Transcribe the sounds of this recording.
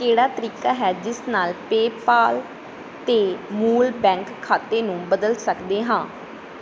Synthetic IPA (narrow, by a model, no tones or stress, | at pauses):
keːɽaːt̪əɾiːkaːɦɛːd͡ʒɪsnaːlpeːpaːl | t̪eːmuːlpɛ̃ːŋkʰːaːt̪eːnũːbəd̪əlsəkd̪eːɦãː